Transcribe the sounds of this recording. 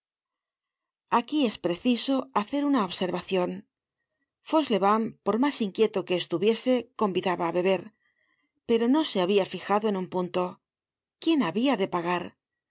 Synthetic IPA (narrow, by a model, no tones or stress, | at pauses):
akie̞spɾe̞θiso̞aθe̞ɾunaoβse̞ɾβaθjo̞n | fo̞zle̞βampo̞ɾmasiŋkje̞t̪oke̞ːst̪uβje̞se̞ko̞mbiðaβaːβe̞βe̞ɾ | pe̞ɾo̞no̞se̞aβ̞iafixaðoe̞numpunt̪o̞ | kje̞naβiaðe̞paɣ̞aɾ